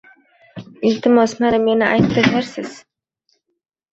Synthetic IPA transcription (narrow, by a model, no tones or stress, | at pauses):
ɪlt̪ʰɪmɒsmaɾɪmenɪʔajt̪ːɪdaɾsɪz̥